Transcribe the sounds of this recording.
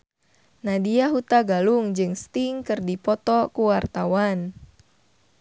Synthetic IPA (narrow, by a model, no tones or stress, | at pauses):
nadiaɦut̪aɡaluŋd͡ʒɨŋst̪iŋkɨrdipɔt̪ɔkuwart̪awan